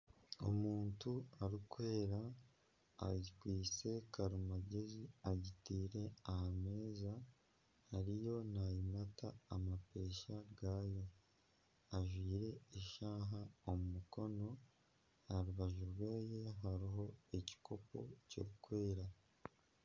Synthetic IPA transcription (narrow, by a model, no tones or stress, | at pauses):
o̰muːntuaɾukwe̞ːɾa | a̰kwiːt͡se̞kaɾumaɟe̞ziaɟitiːɾe̞ahame̞ːza | haɾijo̞najimataːmape̞ːʃaɾɡaːjo̞ | aʒwiːɾe̞ːʃaːɦaomumuko̞no̞ | aɾuβaʒuɾweːje̞ɦaɾiɦo̞e̞ci̥kʰo̞po̞̰co̰ɾukwe̞ːɾa